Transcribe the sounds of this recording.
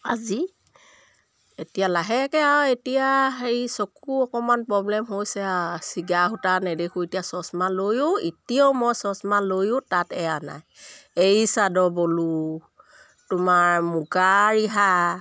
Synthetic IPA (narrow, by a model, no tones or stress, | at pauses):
azi | etijalaɦɛkɛaetijaejsokuɔkɔmanpɹɔblɛmɦojsɛsiɡaɦutanɛdexʰuetijasɔsmalojʊitiawmɔjsɔsmanlojʊtatɛana̰jejsadɔbolu | tʊmaɹmuɡaɹiɦa